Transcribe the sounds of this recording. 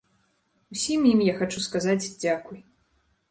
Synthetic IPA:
usʲimjimjaxat͡ʂuskazat͡sʲd͡zʲakuj

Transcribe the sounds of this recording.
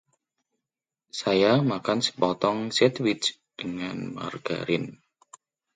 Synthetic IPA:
sajamakansə̥pɔt̪ɔŋsɛt̪wit͡ʃ | d̥əŋanma̰rɡ̥a̰ɾɪn

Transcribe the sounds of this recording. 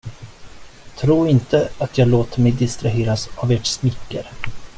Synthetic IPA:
t̪ʰɾuːɾɪnt̪əat̪ʰjɑːɡloːt̪əmɛjd̪ɪst̪ɾaɦeːɾasaveːʈsmɪkːə̰ɾ

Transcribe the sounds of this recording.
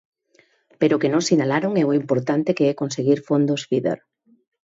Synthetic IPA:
peɾokenõŋsinalaɾoŋɛoimpoɾt̪ant̪ekeɛkonseɣiɾfond̪osfiðḛɾ

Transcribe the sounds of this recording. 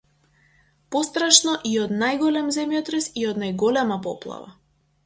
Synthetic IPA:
pɔst̪ɾaʃnɔʔiɔd̪najɡɔlɛmzɛmjɔt̪ɾɛsiɔd̪najɡɔlɛmapɔ̰plˠa̰va̰

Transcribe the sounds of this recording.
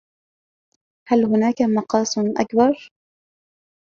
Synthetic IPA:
halhʊnaːkamɑqɑːsˤnʔa̰kbɑɾˤ

